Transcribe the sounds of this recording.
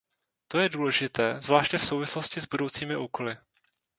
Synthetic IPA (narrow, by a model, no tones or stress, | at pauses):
t̪o̞jɛduːlɛʒɪt̪ɛːzvlaːʃcɲɛfso̞wvɪslo̞scɪzbudo̞wt͡siːmɪʔuːko̞lɪ